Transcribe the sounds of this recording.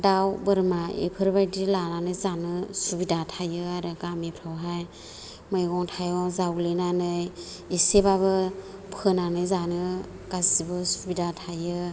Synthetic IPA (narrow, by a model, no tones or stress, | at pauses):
dawbɯɾmaḛpʰɯɾbajdilananɯjzanɯsubidatʰajɯaɾɯɡamipʰɾawɦaj | mɯjɡɔŋtʰajɔŋzawlɯnanɯj | isebaβɯ | pʰɯnanɯjzanɯ | kasibɯsubidatʰajɯ